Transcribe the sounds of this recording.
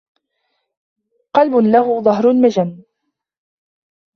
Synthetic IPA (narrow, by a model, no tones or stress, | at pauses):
qɑlbʊnlahuːðˤɑɦɾʊlmad͡ʒamː